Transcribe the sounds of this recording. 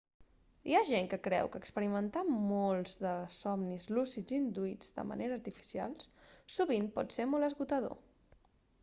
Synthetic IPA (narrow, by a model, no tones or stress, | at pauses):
ḭaʒeŋkəkɾɛ̰wkəːkspəɾimənt̪amolˠzðəsɔmnizlusid͡zind̪uid͡zd̪ə̰mə̰neɾəːɾt̪ifi̥sia̰lˠssuβinpɔt̪semolˠəzɣut̪əðo̰